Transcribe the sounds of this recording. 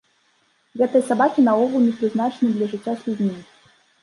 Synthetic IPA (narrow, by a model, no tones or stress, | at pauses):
ɣɛt̪ɨjɐsabakʲinɐɔɣlˠmʲipɾʲɨznat͡ʂnɨd̪lʲɐʐɨt͡sʲːasʲlʲud͡zʲmʲi